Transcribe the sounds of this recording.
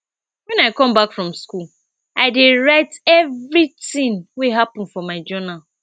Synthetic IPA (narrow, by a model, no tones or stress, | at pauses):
wɛ̃naɪkɔ̃mbakfɹɔ̃mskul | aɪdeɹaɪtɛvɾitɪ̃ŋweɦapɔ̃n̩fɔmaɪd͡ʒɔnal